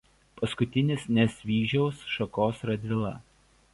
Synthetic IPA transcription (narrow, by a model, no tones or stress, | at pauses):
pɐskʊt̪ʲɪnʲɪsnʲɛsʲʋʲiːʒʲɛʊsʃɐkoːsɾɐd̪ʲʋʲɪlˠɐ̰